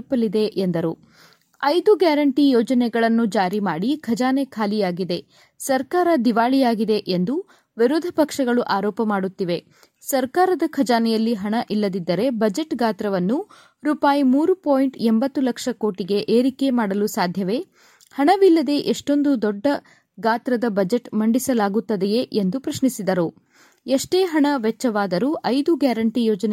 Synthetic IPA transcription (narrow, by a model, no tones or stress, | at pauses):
pːɐlid̪e̞ʔend̪ɐɾu | ɐjd̪uɡaːɾɐɳʈijɔːd͡ʒɐnɛɡɐɭɐnːud͡ʒaːɾimaːɽikʰɐd͡ʒaːnɛkʰaːlijaːɡid̪e̞ | sɐɾkaːɾɐd̪iʋaːɭijaːɡid̪eʔend̪u | ʋiɾud̪ʱːɐpɐkʂɐɡɐɭuʔaːɾɔːpɐmaːɽut̪ːiʋe̞ | sɐɾkaːɾɐd̪ɐkʰɐd͡ʒaːnɛjɐlːiɦɐɳɐʔilːɐd̪id̪ːɐɾe̞bɐd͡ʒeʈɡaːt̪ɾɐʋɐnːu | ɾuːpaːjimuːɾupoːjiɳʈembɐt̪ːulɐkʂɐko̞ːʈiɡe̞ʔeːɾike̞maːɽɐlusaːd̪ʱjɐʋe̞ | hɐɳɐʋilːɐd̪e̞ʔeʂʈo̞nd̪ud̪ɔɖːɐ | ɡaːt̪ɾɐd̪ɐbɐd͡ʒeʈmɐɳɖisɐlaːɡut̪ːɐd̪eje̞ʔend̪upɾɐʃnisid̪ɐɾu | eʂʈeːɦɐɳɐʋɛt͡ʃːɐʋaːd̪ɐɾuʔɐjd̪uɡjaːɾɐɳʈijɔːd͡ʒɐn